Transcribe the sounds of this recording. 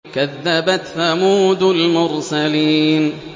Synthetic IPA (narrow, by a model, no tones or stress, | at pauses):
kaðːabaθamuːd̪ʊlmʊɾsaliːn